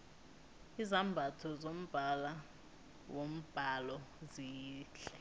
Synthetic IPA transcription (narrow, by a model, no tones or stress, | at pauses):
izambʱatʰɔzom̩b̥ʱala | wom̩b̥ʱalɔziːɬɛ̥